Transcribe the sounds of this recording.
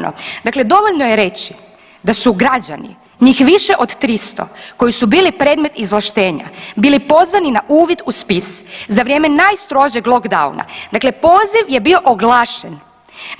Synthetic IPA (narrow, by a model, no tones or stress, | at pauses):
no̰d̪akle̞d̪o̞ʋoʎnojeɾe̞t͡ɕi̥ | d̪asuɡɾad͡ʑa̰nḭ | ɲiːxʋiʃeʔo̞d̪t̪ɾist̪o̞̰ko̞jisubiːlipɾe̞ːd̪me̞t̪izʋlˠaʃt̪e̞ːɲa̰biːlipo̞zʋaninaʔuːʋjid̪uspiszaʋɾje̞ːme̞najst̪ɾo̞ʒeɡlˠo̞kd̪aṵna̰d̪akle̞po̞ːziʋjebio̞ʔoɡlˠaːʃḛn